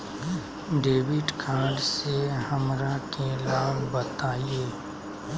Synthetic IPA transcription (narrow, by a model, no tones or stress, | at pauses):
ɖeːʋɪɖkʰãːɖsehɐmɾakelaːbbət̪aːieː